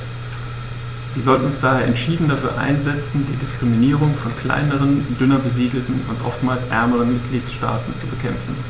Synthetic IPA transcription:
viːɐzɔltn̩ʊnsd̥aːheːɐʔɛntʃiːdn̩dafyːɐʔa̰ɪnzɛt͡sn̩diːdɪskʁ̥iminiːʁʊŋfɔnkʰl̥a̰ɪnəʁ̞əndʏnɐbəziːdl̩tn̩ʊ̰ntʔɔ̰ftmaːlsʔɛ̰ɐməʁənmɪt̚ɡ̥liːtʃta̰ːtn̩t͡subəkʰɛmfn̩

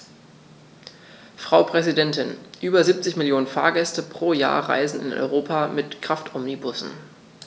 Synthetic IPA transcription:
fʁ̥aʊpʁ̥ɛzidɛntɪnʔyːbɐziːp̚t͡sɪçmɪljoːnənfaːɐɡɛstəpʁ̥oːja̰ːɐʁa̰ɪzn̩ɪ̰nɔ̰ʏʁoːpʰamɪtkʁ̥aftʔɔmnibʊsn̩

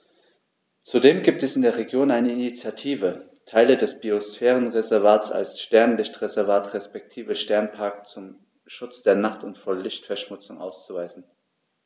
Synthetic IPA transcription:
t͡sudeːmɡiːp̚tɛsɪndeːɐʁeɡjoːnaɪnəɪnit͡sjatʰiːvə | tʰaɪlədɛsb̥iosfɛːʁənʁezɛɐvaːsa̰lsʃtɛɐnlɪçtʁ̥ezɛɐvaːtʁɛspɛk̚tʰiːvəʃtɛɐnpʰaɐkt͡sʊm | ʃʊt͡sd̥eːɐnaχtʊntfoːɐlɪçtfɛɐʃmʊt͡sʊŋʔa̰ʊst͡suvaɪzn̩

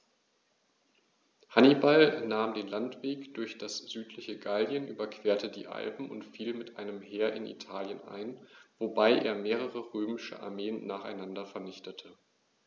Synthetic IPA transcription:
hanibalnaːmdeːnlantv̥eːkd̥ʊɐçd̥asz̥yːtʰlɪçəɡaldjənʔyːbɐkv̥eːɐtədḭːʔa̰lpm̩ʊ̰ntfiːlmɪtʔaɪnəmɦeːɐʔɪ̰nʔḭtʰaːljənʔa̰ɪnvobaɪʔḛːɐmeːʁ̞əʁəʁøːmɪʃə̰ʔa̰ɐmeːənːaːχaɪnandɐfɛɐnɪçtətʰə

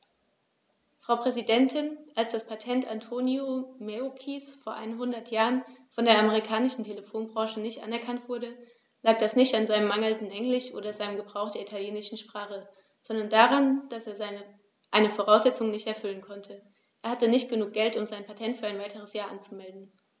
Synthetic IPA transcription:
fʁ̥aʊpʁ̥ɛzidɛntʰɪnʔalsd̥aspʰatʰɛntʰʔantʰoːnjomeokʰisfoːɐʔa̰ɪnənɦʊndɐtʰjaːʁənfɔndeːɐʔaməʁ̞ikʰaːnɪʃn̩tʰeləfoːnbʁɑ̃ːʃənɪçtʔa̰nɛɐkʰantv̥ʊɐɾə | laːk̚d̥asnɪçtanzaɪnəmaŋl̩dn̩ʔɛŋlɪʃʔo̰ːdɐzaɪnəmɡəbʁaʊxtd̥eːɐʔitʰaljeːnɪʃn̩ʃpʁ̥aːχə | z̥ɔndɐndaʁand̥aseːɐzaɪnə | ʔaɪnəfoʁ̞aʊsz̥ɛt͡sʊŋnɪçtɛɐfʏlənkʰɔntʰə | ʔeːɐhatənɪçtɡ̥ənuːk̚ɡ̥ɛltʊmzaɪnpʰatʰɛntfyːɐaɪnvaɪtʰəʁ̞əsjaːɐʔant͡sumɛldn̩

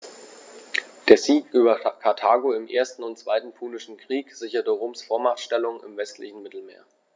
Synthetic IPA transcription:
d̥eːɐziːkʔyːbɐkʰaɐtʰaːɡoɪmʔeːɐstn̩ʊntt͡sv̥aɪtn̩pʰuːlɪʃn̩kʁ̥iːkz̥ɪçɐtəʁoːmsfoːɐmaʁχtʃtɛlʊŋɪ̰mvɛstlɪçn̩mɪtl̩meːɐ

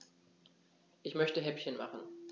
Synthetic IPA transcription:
ʔɪçmœçtəɦɛpçənma̰χn̩

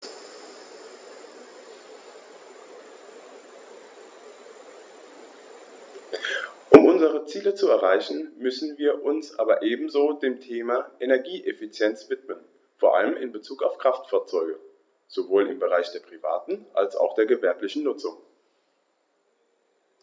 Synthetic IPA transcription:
ʔʊmʔʊnzəʁət͡siːlət͡suɛɐʁ̞aɪçn̩mʏsn̩viːɐʔʊnsʔa̰ːbɐʔeːbm̩zoːdeːmtʰeːmaʔenɛɐɡiːʔefit͡sjɛnt͡sv̥ɪtmən | foːɐʔa̰ləmɪnbət͡suːkaʊfkʁ̥aftfaːɐt͡sɔʏɡə | z̥ovoːlɪmbəʁaɪçd̥eːɐpʁ̥iva̰ːtn̩ʔa̰lsa̰ʊxd̥eːɐɡəvɛɐplɪçn̩nʊt͡sʊŋ

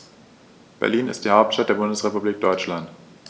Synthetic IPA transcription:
b̥ɛ̰ɐliːnɪ̰std̥iːhaʊp̚tʃtat̚d̥eːɐbʊndəsʁepubliːk̚d̥ɔʏt͡ʃlant

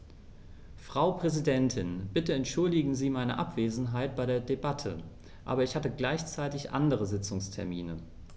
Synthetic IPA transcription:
fʁ̥aʊpʁ̥ɛzidɛntʰɪnb̥ɪtəɛntʃʊldɪɡŋ̩ziːmaɪnəʔa̰pv̥eːzn̩ɦaɪt̚b̥aɪdeːɐdebatʰə̰ | ʔa̰ːbɐɪçhatəɡlaɪçt͡saɪtɪçʔa̰ndəʁəzɪt͡sʊŋstʰɛɐmḭːnə

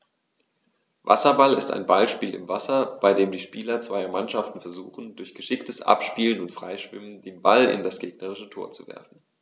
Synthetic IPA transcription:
va̰sɐbalɪsta̰ɪnbalʃpiːlɪ̰mvasɐb̥aɪdeːmdiːʃpiːlɐt͡sv̥aɪɐmanʃaftn̩fɛɐzuːχn̩dʊɐçɡ̥əʃɪktəsʔa̰pʃpiːlənʊntfʁ̥a̰ɪʃv̥ɪ̰məndeːnbalɪ̰ndasɡ̥eːɡ̥nəʁ̞ɪʃətʰoːɐt͡suvɛ̰ɐfn̩

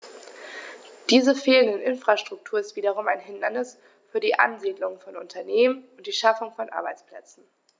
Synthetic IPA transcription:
d̥iːzəfeːləndənʔɪnfʁ̥aʃtʁ̥ʊk̚tʰuːɐɪstv̥iːdɐʁ̞ʊmaɪnɦɪndɐnɪs | fyːɐdiːʔa̰nziːdlʊŋfɔnʊ̰ntʰɐneːmənʊntd̥iːʃafʊŋfɔnʔa̰ɐbaɪt͡spl̥ɛ̰t͡sn̩

